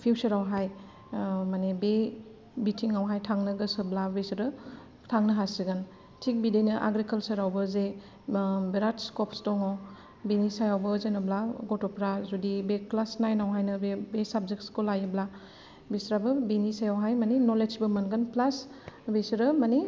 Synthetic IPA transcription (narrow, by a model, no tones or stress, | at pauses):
pʰiwt͡ʃɐɾawɦaj | manebe | bitʰiŋawɦajtʰaŋnɯɡɯsɯblabesɐɾɯ | tʰaŋnɯɦasiɡan | tʰik̚bidenɯʔa̰ɡɾikɐlsɐɾawbɐze | beɾatskɔpstɔŋaw | benisajawbɯzenɐblaɡɔtopɾazudibeklasnajnawɦajnɯbebesab̚zek̚skolajɯbla | besɾabɯbenisajawɦajmanenolesbɯmanɡɯnplasbesiɾɯmane